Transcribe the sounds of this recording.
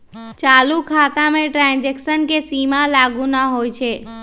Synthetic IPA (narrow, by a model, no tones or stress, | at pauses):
t͡ʃaːlukʰat̪amẽʈɾãnd͡ʒeksənkesimalaːɡunaɦojt͡ʃʰe